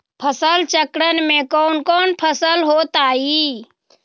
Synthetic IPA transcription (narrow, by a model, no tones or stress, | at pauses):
pʰəsəlt͡ʃəkɾənmẽkɔːnkɔːnpʰəsəlɦoːt̪aːi